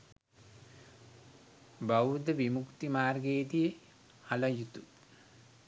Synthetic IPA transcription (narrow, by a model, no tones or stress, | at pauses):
bawud̪əʋimukt̪imaːrɡeːd̪ijə | alɐjut̪u